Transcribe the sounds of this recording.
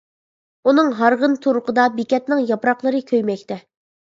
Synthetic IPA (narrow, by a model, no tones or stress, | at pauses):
unɨŋɦɑɾʁənt̪ʰuɾʊqʰəd̪ɑbikʲɛt̪nɪŋjɑpɾɑqlˠəɾɨkʲʰøjmɛkʲt̪ʰɛ